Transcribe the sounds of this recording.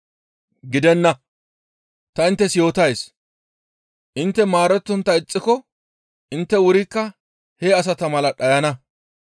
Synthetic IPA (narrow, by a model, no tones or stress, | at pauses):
ɡɪd̪ɛnːɐ | t̪ɐɪnt̪ːɛsjo̞ːt̪ɐjs | ʔɪnt̪ːɛmaːɾɛt̪ːɔnt̪ːɐɪt͡sʼːɪkɔ | ʔɪnt̪ːɛwʊɾikːɐ | heɐs̬ɐt̪ɐmɐlɐɗɐjɐnɐ